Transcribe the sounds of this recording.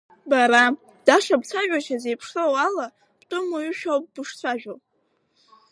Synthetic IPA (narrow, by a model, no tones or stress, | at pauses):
baɾa | d̥aʂabt͡sʷʰaʒᶣat͡ʃʰazejpʰʂlowala | b̥tʼɨmayʃᶣawp̚ʼbɨʂt͡sʷʰaʒᶣo